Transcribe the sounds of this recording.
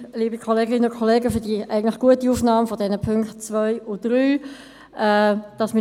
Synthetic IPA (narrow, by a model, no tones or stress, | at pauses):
liːbikʰɔleːɡɪnənʊnkʰɔleːɡəfyːɐdiʔæɪɡətlɪχɡ̥uətiuːfnɑːmfɔdɛnəpʰʏŋkt̚t͡svœʏʊd̥ʁyː | ʔɛd̥ɑsmɪ